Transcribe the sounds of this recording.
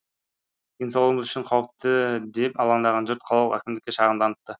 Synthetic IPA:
insolˠʁəməzy̥ʃɪɴqʰɑwup̚t̪əd̪e̞pɑlˠɑɴd̪ɑʁɑnd͡ʒʏɾt̪̚qʰɑlˠɑlˠəqækʲɪmd̪ɪkʲːeʃɑʁənd̪ɑnət̪ːə

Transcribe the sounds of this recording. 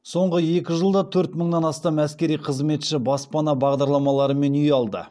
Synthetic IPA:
so̞ɴʁəje̞kʲɪʒəlˠd̪ɑt̪ʰɵɾt̪məɴnɑnɑst̪ɑmæskʲe̞ɾijqʰəzme̞t̪ʃɪbɑspɑnɑbɑʁd̪ɑɾlˠɑmɑlˠɑɾəme̞nʏjɑlˠd̪ə̰

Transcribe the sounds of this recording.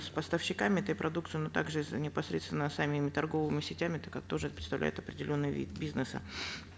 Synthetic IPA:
spəst̪əfɕːɪkamʲɪɛt̪əjpɾʔɐd̪ukt̪sɨjnot̪a̰ɡʐɨnʲɪpɐsɾʲet̪st̪vʲɪnːəsamʲimʲɪt̪ɐrɡo̞vɨmʲɪsʲɪtʲæmʲɪt̪əkak̚t̪o̞ʐɨɛt̪əpɾʲɪt̪st̪ɐvlʲæ̰jʊt̪ɐpɾʲɪdʲɪlʲo̞nːɨjəvʲḭt̪bʲiznɨsə̰

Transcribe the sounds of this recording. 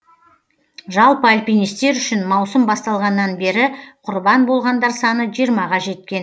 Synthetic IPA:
ʒɑlˠpəalʲpʲijnist̪e̞ɾʏʃɪnmɑwsəmbɑst̪ɑlˠʁɑnːɑnbe̞ɾɪqʰʊɾbɑnbo̞lˠʁɑnd̪ɑɾsɑnəʒijəɾmɑʁɑʒe̞t̪kʲe̞n

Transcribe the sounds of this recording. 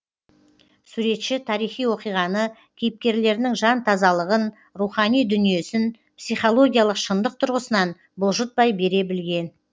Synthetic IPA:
suɾe̞t̪ʃɪt̪ʰɑɾijχijwo̞qijʁɑnə | kʲʰejɪp̚kʲe̞ɾle̞ɾnɪŋʒɑnt̪ʰɑzɑlˠəʁən | ruχɑnijd̪ʏnije̞sɪn | psijχo̞lˠo̞ɡʲijalˠəqʃənd̪əq̚t̪ʰʊɾʁəsənɑn | bʊlˠʒət̪̚bɑjbe̞ɾe̞bɪlɡʲe̞n

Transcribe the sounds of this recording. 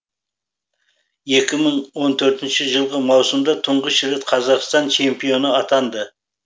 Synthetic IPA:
je̞kʲɪməɴwo̞nt̪ʰɵɾt̪ɪnʃɪʒəlˠʁəmɑwsəmd̪ɑt̪ʰʊɴʁəʃɪɾet̪qʰɑzɑqst̪ɑnt͡ʃʰe̞mpijo̞nəɑt̪ɑnd̪ə

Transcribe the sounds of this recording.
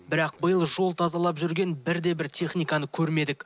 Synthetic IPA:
bɪɾɑq̚bəjəlˠʒo̞lˠt̪ʰɑzɑlˠɑpʒʏɾɡʲe̞nbɪɾd̪e̞bɪɾt̪ʲʰe̞χnijkɑnəkʲʰɵɾme̞d̪ɪk

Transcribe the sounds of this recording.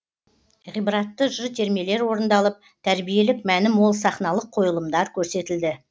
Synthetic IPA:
ʁijbɾɑt̪ːəʒʏzt̪ʰe̞ɾme̞le̞ɾwo̞ɾənd̪ɑlˠəp̚ | t̪ʰæɾbije̞lɪkmænɪmwo̞lˠsɑχnɑlˠəqʰːo̞jəlˠəmd̪ɑɾkʲʰɵɾse̞t̪ɪld̪ɪ

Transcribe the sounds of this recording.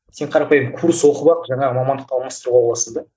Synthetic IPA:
se̞ɴqʰɑɾɑpɑjəmkʰuɾswoqəbɑqʒɑɴɑʁəmɑmɑnd̪əq̚t̪ʰɑwlˠmɑst̪əɾuʁɑbolˠɑsəzd̪ɑ

